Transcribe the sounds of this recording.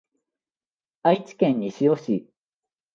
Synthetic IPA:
ait͡ɕi̥kẽ̞ɲ̟ːiɕijoɕi

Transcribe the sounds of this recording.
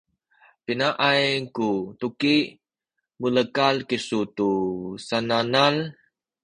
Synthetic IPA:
pinaʔajkut̪ukiʔ | muləkalkisut̪usananal

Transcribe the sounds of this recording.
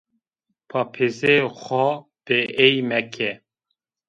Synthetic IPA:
pʰɑpʰezexɔb̥eejmɛkʰɛ

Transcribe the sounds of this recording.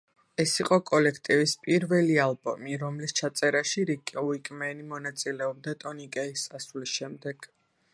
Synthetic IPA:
ɛsiqʼɔkʼɔlɛkʰt̪ʼivispʼiɾvɛlialˠbɔmiɾɔmlist͡ʃʰat̪sʼɛɾaʃiɾikʼuikʼmɛnimɔnat̪sʼilɛɔb̚d̪at̪ʼɔnikʼɛist̪ʼasulisʃɛmd̪ɛɡ̥

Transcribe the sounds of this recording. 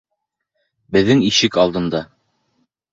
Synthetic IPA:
bɘ̆ðːɘŋiʃɘkɑlˠd̪ɤ̆nd̪ɑ

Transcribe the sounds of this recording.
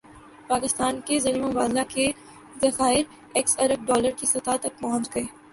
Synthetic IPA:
paːkɪst̪aːnkezɐliːmmʊbaːd̪lake | zɐxaːɪɾ | ɛksɐɾəb̚ɖɔːləɾkisɐt̪aːt̪ɐk̚pɐɦɔ̃nt͡ʃɡɐeː

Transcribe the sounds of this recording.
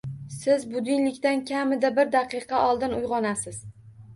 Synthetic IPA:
sɪzbʊd̪ɪnlɪkʲt̪ankʲʰamɪd̪abɪɾd̪ɑqɨqʰɑʔɒlˠd̪ɪnʊjʁɒnasɪz̥

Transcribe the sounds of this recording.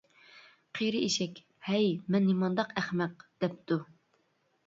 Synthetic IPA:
qʰeɾɨeʃɛkʲ | hɛjmɛnːimɑnd̪ɑqæχmɛq̚d̪̥ɛp̚t̪ʰu

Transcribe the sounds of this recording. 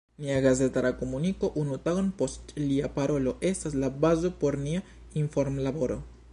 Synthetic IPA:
miaɡaze̞t̪alakomuniko̞ʔunut̪aɡonpo̞stliapaɾo̞lo̞ʔe̞staslabazo̞po̞ɾnia | iɱfoɾmlaboɾo̞̰

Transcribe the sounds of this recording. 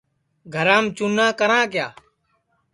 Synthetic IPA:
ɡʱəɾãːmt͡ʃʊnːãːkəɾãːkjaː

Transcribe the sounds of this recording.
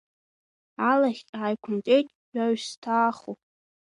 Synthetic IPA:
alaχʲtʼaːjkʷʰʊntʼejtʼɥaɥstʰaːχu

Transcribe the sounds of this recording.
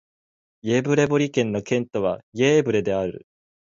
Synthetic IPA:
jeːbɯ̟ɾe̞boɾʲikẽ̞nːo̞kẽ̞nt̪o̞βajeːbɯ̟ɾe̞d̪e̞aɾɯ̟̰

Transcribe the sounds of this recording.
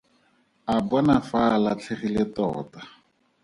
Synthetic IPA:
abɔnafalat͡ɬʰeχilɪtɔ̰ːta

